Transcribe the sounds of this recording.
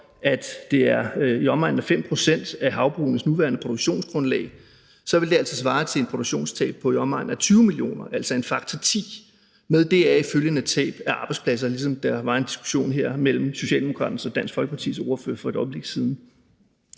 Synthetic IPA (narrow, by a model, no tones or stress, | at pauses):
ʔæd̥d̥e̝æɐiɒ̽mɑ̈ɪdn̩æfem̰pʰʁo̝sen̰d̥æɦɑ̈ʊb̥ʁṵːnəsnuʋæːɐnəpʰo̝d̥oɡ̥ɕo̝̰ːnsɡ̥ʁɔ̽nlɛ̰ɪ | sɒ̽ʋeld̥e̝æl̰t͡sʰið̩ˠs̬ʋɑ̈ːt͡sʰe̝e̝npʰʁodoɡ̥ɕo̝̰ːnst͡sʰɛ̰ːb̥̚pʰɒ̽iɒ̽mʁɑ̈d̥n̩æt͡sʰyːʊmilio̝̰ːnɐʔæl̰sɐe̝nfɑ̈ɡ̥̚t͡sʰɒt͡sʰḭː | meðˠd̥e̝æiføljənæ̥t͡sʰɛ̰ːb̥æʔɑ̈ːb̥ɑ̈ɪdspʰlæs̬ɐlisɒ̽md̥ɑ̈ʋɑ̈e̝nd̥i̥sɡ̥u̥ɕo̝̰ːnɦeɐ̰mel̰m̩so̝ɕɛ̰ːld̥emo̝kʰʁɑ̈ːd̥̩sɒ̽d̥æn̰sfɒ̽lɡ̥ə̥pʰɑ̈t͡sʰḭːsɒʊɐfø̰ɐ̰fɒ̽ed̥ɒ̽ɪb̥le̝ɡ̥siðˠn̩